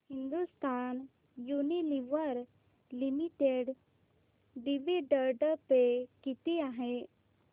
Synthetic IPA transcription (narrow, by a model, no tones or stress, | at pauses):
hind̪ust̪an | juniliʋəɾ | limiʈeɖ | ɖiʋiɖəɾɖəpekit̪iaɦe